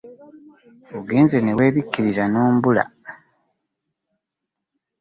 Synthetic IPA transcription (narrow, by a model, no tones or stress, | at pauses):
oɡeːnzenewe̞ːβikːiɾiɾanoːmbula̰